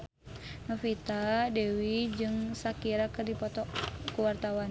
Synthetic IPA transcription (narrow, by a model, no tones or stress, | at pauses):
nɔfit̪adɛwid͡ʒɨŋsakiɾakɨrdipɔt̪ɔkuwart̪awan